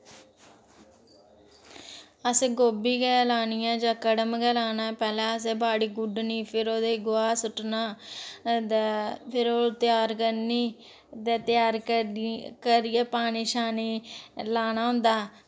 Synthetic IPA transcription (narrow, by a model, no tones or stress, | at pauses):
əsẽːɡoːbiːkɛːlaːnɪjãːd͡ʒãːkəɽəmɡɛːlaːnapɛːlɛːəs̬eːbaːɽiːɡʊɖniːpʰɪɾoːd̪eːɡʊaːsʊʈnaː | d̪pʰɪɾoːt̪ɪjaːɾkəɾniː | d̪eːt̪ɪjaːɾ | kəɾɪjɛːpaːniːʃaːniːlaːnaːɦʊ̃nd̪aː